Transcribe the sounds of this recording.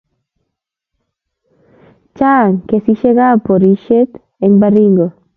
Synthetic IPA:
t͡ʃaŋkesiʃeɣapoɾiʃet̪ | eŋbariŋɡo

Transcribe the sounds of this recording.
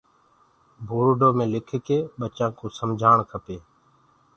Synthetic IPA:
bʱuːɾɖoːmẽːlɪkʰkeːɓət͡ʃãːkoːsəmd͡ʒʱaːɳkʰəpeː

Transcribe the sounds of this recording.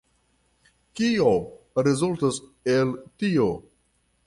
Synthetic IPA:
kio | ɾezultoseltio

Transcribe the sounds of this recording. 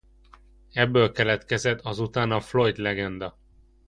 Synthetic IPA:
ɛbːølkɛlɛt̪kɛzɛt̪ʰːɒzut̪aːnɒflo̞jt̪lɛɡɛnd̪ɒ

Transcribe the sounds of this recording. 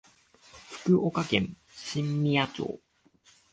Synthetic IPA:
ɸɯ̟̥kɯ̟ʔokakẽ̞̰n | ɕĩmːʲiat͡ɕo̰ː

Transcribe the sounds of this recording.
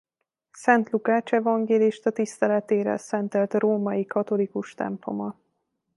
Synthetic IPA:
sɛnt̪lukaːt͡ʃɛvɒŋɡeːliʃt̪ɒt̪ist̪ɛlɛt̪eːɾɛ̰lsɛnt̪ɛlt̪roːmɒjikɒt̪o̞likuʃt̪ɛ̰mplo̞̰mɒ

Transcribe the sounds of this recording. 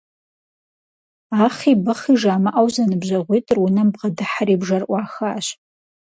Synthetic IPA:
aχibɨχiʐaːmɨʔawzanɨbʒʷaʁʷitʼɨrwunɨmbʁadɨħaribʐarʔʷaːxaʃ

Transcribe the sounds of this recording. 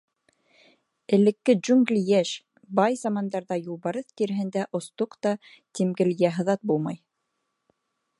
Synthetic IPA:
ɘ̆lɘ̆kːɘd͡ʒuŋɡlʲijæʃ | bɑjzɑmɑnd̪ɑɾðɑjulˠβɑɾɤθk̪iɾɘ̆ɦɘ̆nd̪æʔŏst̪oqt̪ɑ | t̪ʲimɡɘ̆ljæɦɤ̆ðɑt̪̚bulˠmɑj

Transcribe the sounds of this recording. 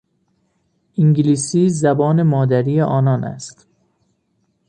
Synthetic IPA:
ʔiŋɟiliːsiːzæbɒːne̞mɒːd̪æɾiːjeʔɒːnɒːnʔæ̰st̪

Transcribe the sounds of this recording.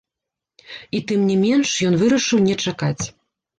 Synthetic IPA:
it̪ɨmnʲimʲɛnʂjɔnvɨɾɐʂɨwnʲɛt͡ʂakat͡sʲ

